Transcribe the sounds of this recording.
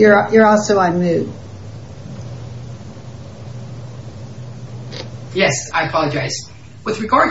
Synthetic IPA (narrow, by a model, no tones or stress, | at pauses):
ə˞jə˞ɔlˠsoʊãnmʉd | jɛsaɪɨpʰɑlˠəd͡ʒaɪz̥ | wɨðɹɨɡɑɹd